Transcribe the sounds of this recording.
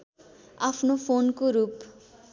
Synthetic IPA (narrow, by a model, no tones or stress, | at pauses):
apʰnofʰonkoɾup